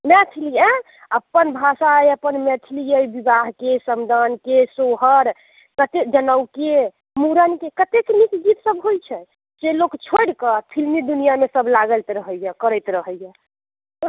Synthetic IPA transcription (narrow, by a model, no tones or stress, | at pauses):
mɛt̪ʰilijə | əpːənbʱasajəpənmɛt̪ʰilijəjbibaɦkesəmd̪ʱankesoɦəɾ | kət̪ed͡ʒənəwke | muɾənkekət̪eknikɡit̪səbɦojt͡ʃʰɛ | d͡ʒelokt͡ʃʰoɽkəpʰilmid̪unijamesəblaɡəlt̪ɾəɦəjɛkəɾəjt̪ɾəɦəjɛ